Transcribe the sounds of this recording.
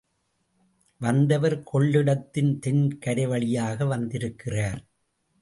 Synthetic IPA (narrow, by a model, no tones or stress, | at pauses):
ʋɐnd̪ɐʋɐɾkʰɔɭːɪɽɐt̪ːɪnt̪ɛnkɐɾɐʋɐɭɪjaːɣɐʋɐnd̪ɪɾɯkːɪraːɾ